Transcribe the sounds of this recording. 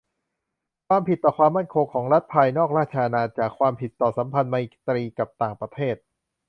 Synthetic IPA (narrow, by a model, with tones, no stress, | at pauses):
kʰwaː˧mpʰi˨˩t̪ːɔː˨˩kʰwaː˧mːa˥˩nkʰo˧ŋkʰɔː˩˦ŋɾa˦˥t̪̚pʰa˧jnɔː˥˩k̚ɾaː˥˩t̪̚t͡ɕʰaː˧naː˧t͡ɕaː˨˩kʰwaː˧mpʰi˨˩t̪ːɔː˨˩sa˩˦mpʰa˧nmaː˧ʔi˨˩t̪ɾiː˧ka˨˩p̚t̪aː˨˩ŋpɾa˧t̪ʰeː˥˩t̪̚